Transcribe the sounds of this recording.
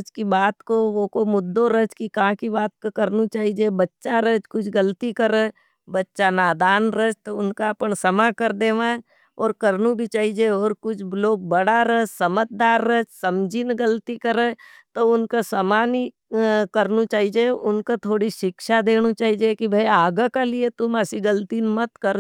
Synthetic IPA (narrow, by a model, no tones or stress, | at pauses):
d͡ʒkibaːt̪koʋokomʊd̪ːoɾəd͡ʒkikɐɦãkibaːt̪̚kokəɾnit͡ʃaːɦid͡ʒebɐtːʃaɾəd͡ʒkʊt͡ʃʰɡəlt̪ikəɾə | bɐtːʃanaːd̪aːnɾəd͡ʒt̪oʊnkaɐpənsɐmakəɾd̪eːʋã | ɔːɾkəɾnũbʱit͡ʃaːɦid͡ʒeɔːɾkʊt͡ʃʰloːɡ̚bəɽaɾəɦsɐmət̪̚d̪aːɾːəd͡ʒsɐmd͡ʒʱinɡəlt̪ikəɾə | t̪oʊnkasəmaːni | kəɾnut͡ʃaːɦid͡ʒeʊnkat̪ʰoːɽiʃɪkʃad̪eːñut͡ʃaːɦid͡ʒekibʱɐiaːɡəkaliet̪ʊməsiɡəlt̪inmət̪kəɾ